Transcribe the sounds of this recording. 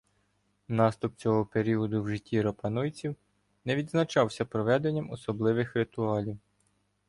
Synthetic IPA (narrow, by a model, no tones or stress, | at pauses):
nɑst̪ʊp̚t͡sʲɔɦɔpeɾʲiɔd̪ʊwʒɪtʲːiɾɔpɐnujt͡sʲiw | nɛʋʲid̪znɐt͡ʃɑwsʲɐpɾɔʋɛd̪e̞nʲːɐmɔsɔblˠɪʋɪxɾɪt̪ʊɑlʲiw